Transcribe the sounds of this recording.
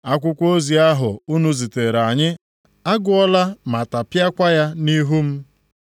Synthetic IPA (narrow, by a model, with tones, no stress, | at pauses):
a˦kʷʊ˦kʷo˦zi˨a˦ɦʊ˨u˦nu˦zi˨te˨ɾa˨ɲɪ˦ | a˦ɡʊ˦ɔ˦la˦ma˨ta˨pja˦kʷa˦ja˦ni˦ɦu˦m̩˦